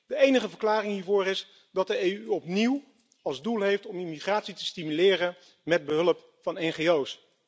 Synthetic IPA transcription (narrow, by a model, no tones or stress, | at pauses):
dəejnəχəvəɹklaːrɪŋɦiːɹvʊːɾɪs | dɑt̚dəejyɔpniw | ɑlˠzdulˠɦejftɔmimiχraːtsitə̥stimylɪːrən | mɛd̚bəɦɵləp | fɑnɛnχejows